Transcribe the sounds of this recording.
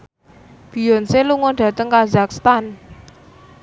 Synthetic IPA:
b̥i̤jɔnseluŋɔnɖ̥ä̤t̪əŋkazakst̪an

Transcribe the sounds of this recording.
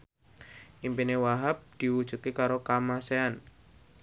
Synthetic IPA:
ʔimpinewaɦap̚d̪̥i̤wud̥ʒ̥ṳk̪ikaɾokamasean

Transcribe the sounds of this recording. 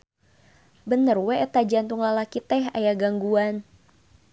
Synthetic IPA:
bənərwɛʔət̪ad͡ʒant̪uŋlalakit̪ɛɦa̰jaɡaŋɡuan

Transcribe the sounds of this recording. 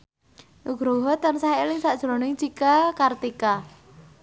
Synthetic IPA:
ʔuɡ̥ɾoɦɔt̪ansaɦelɪŋsaʔd̥ʒ̥ɾɔnɪŋt͡ʃikakart̪ika

